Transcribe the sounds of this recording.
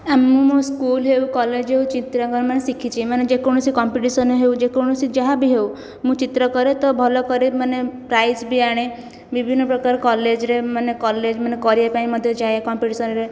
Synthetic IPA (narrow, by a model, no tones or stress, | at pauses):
amːũmuskuːlɦeukɔled͡ʒɦeut͡ʃit̪ɾəkəɾmənːesikʰit͡ʃimanːed͡ʒekoɽ̃usikɔmpiʈisənɦeud͡ʒekoɽ̃usid͡ʒaɦabʱiɦeu | mũːt͡ʃit̪ɾəkəɾet̪ɔbʱɔlɔkəɾemənːepɾaisbʱiaɽ̃e | ʋibʱinːəpɾəkaɾkɔled͡ʒɾemənːekɔled͡ʒmənːekɔɾijapajməd̪ʱːjed͡ʒaɦekɔmpiʈisənɾe